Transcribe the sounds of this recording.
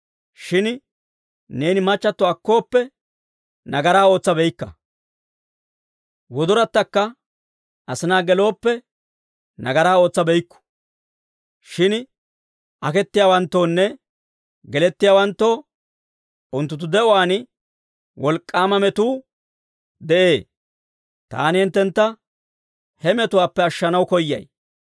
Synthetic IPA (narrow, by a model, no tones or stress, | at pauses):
ʃɪn | ne̞ːnɪmɐt͡ʃːɐt̪ːɔɐkːo̞ːpːɛ | nɐɡɐɾaːo̞ːt͡sːɐbɛjkːɐ̰ | wɔd̪ɔɾɐt̪ːɐkːɐ | ʔɐsɪnaːɡɛlo̞ːpːɛ | nɐɡɐɾaːo̞ːt͡sːɐbɛjkːʊ̥ | ʃɪn | ʔɐkɛt̪ːɪjaːwɐnt̪ːo̞ːnːɛ | ɡɛlɛt̪ːɪjaːwɐnt̪ːo̞ː | ʔʊnt̪ːʊt̪̬ːʊd̪ɛʔɔwaːn | wʔɔlkʼːaːmɐmɛt̪uː | d̪ɛʔeː | t̪a̰ːnɪhɪnt̪ːɛnt̪ːɐ | hɛmɛt̪ʊwaːpːɛɐʃːɐnɐwkɔjːɐ̰j